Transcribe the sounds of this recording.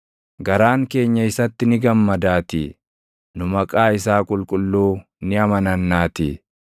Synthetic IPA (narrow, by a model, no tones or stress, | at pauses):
ɡɐɾaːŋke̞ːɲːɐɪsɐt̪ːɪnɪɡɐmːɐd̪aːt̪ɪ̰ | nʊmɐkʼaːɪsaːkʼʊlkʼʊlːuː | nɪɐmɐnɐnːaːt̪ɪ̰